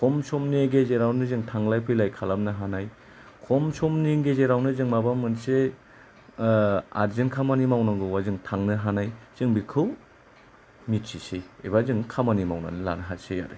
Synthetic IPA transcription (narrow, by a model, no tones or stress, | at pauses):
kʰɔmsɔmneɡezeɾawnɯzɯŋtʰaŋlajpʰɯjlajkʰalam̚nɯɦanaj | kʰɔmsɔmniŋɡezeɾawnɯzɯŋmabamɯnse | a̰ɾzenkʰamanimawnaŋɡɯwazɯŋtʰaŋnɯɦanajz̥ɯŋbikʰɯw | mit̚sisejḛbazɯŋkʰamanimawna̰nɯla̰nɯɦaseja̰ɾɯ̰